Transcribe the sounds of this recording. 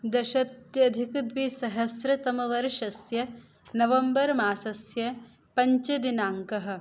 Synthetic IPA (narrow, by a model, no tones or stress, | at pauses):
d̪ɐʃɐt̪jɐd̪ʱikud̪ʋiːsɐɦɐsɾɐt̪ɐmɐʋɐɾʃɐsjɐ | nɐʋɐmbɐɾmaːsɐsjɐ | pɐɲt͡ʃɐd̪inaːŋkɐɦɐ̆